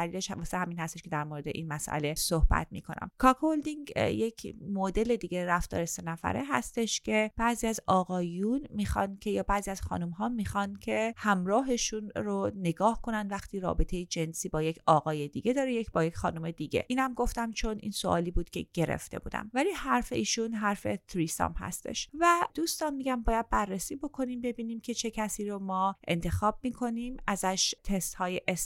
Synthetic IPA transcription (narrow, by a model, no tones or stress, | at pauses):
æliːleʃʋɒsehæmiːnhæst̪eʃkʰʲe̞d̪æɾmoːɾe̞d̪eʔinmæsʔæ̰le̞sohbæ̰t̪mḭːkʰo̞næ̰mkʰɒːkʰold̪iŋjecʰmod̪e̞le̞d̪iːɡe̞ɾæft̪ɒ̰ːɾese̞næfæ̰ɾeɦæ̰st̪e̞ʃcʲʰe̞b̥æʔziːæzɒːɣɒːjunmiːxɒ̰ndcʰe̞jɒːbæːziːæz̥xɒ̰ːnumɦɒːmiːxɒncʰe̞hæmɾɒːɦe̞ʃunɾone̞ɡɒːhkʰo̞nænd̪væxt̪ʰiːɾɒ̰ːbe̞t̪ʰe̞jed͡ʒe̞nsiːbɒːje̞cʰɒːɣɒːjed̪iːɡe̞d̪ɒːɾejecbɒːjecχɒːnume̞d̪iɟe̞̰ʔiːnhæmɡo̞ft̪æmt͡ʃʰo̞nḭːnsoʔɒ̰ːliːbuːd̪̥cʲʰe̞̰ɟ̥e̞ɾḛft̪e̞̰bṵːd̪æ̰mvæliːhæɾfe̞̰iːʃunɦæɾfe̞t̪ʰɾiːsɒ̰mhæ̰st̪e̞̰ʃvæd̪̥uːst̪ɒnmiːɟæmbɒːjæd̪̚bærːesiːbo̞kʰo̞niːmbe̞biːniːmcʲʰe̞t͡ʃʰe̞cʰæsiːɾomɒːʔe̞̰nt̪ʰe̞xɒːb̥̚miːkʰo̞nimæzæʃt̪ʰest̪hɒːjeʔes